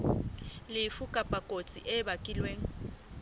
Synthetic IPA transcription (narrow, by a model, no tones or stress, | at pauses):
lɪfukʼapʼakʼot͡sʼiʔɛbakʼɪlweːŋ̩